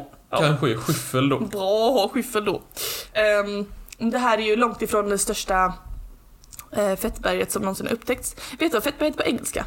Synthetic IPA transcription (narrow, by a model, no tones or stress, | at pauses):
ɑkʰanɧəæɾɧɪfːəld̪ɔbɾɑːhɑɧɪfːəld̪ɔ | d̪ɛɦæːɾæɾjɵlɔŋt̪ɪfɾoːnd̪ɛst̪œʂʈa | fɛt̪ːbæɾjət̪sɔmnɔnsɪna̰ɾɵpːt̪ʰɛk̚t̪sveːt̪əvafɛt̪̚ːbæɾjət̪̚pʰɔɛŋːɛlska̰